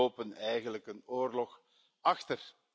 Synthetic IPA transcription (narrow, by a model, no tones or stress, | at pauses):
oːpənɛjɣənləkənoːrlɔx | ɑxtər